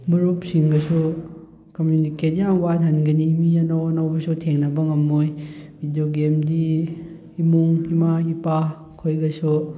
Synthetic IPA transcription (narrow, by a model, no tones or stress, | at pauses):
buɾup̚siŋɡɐsu | kɐmjuniketiaŋbatʰɐnɡɐnimijanawonawbɐsutʰeŋnɐbɐŋɐmːojbʱidijoɡemdiː | muŋimaipa | kʰojɡɐsu